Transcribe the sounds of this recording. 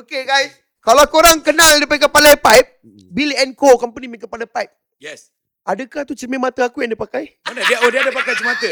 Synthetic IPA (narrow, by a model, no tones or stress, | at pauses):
okeɡajs | kalakoɾaŋkənãldipaikəpalajpajp̚ | bilɛnkokɔmpənimiŋkəpalapajp̚ | jɛs | adəkaht̪ut͡ʃəmẽmat̪əakujaŋdipakajmanadiaodiadəpakajt͡ʃəmat̪ə